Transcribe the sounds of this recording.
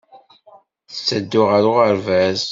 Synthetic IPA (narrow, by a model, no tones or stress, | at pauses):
θət͡sːəd̪ːʊʁəɾʊʁəɾvæz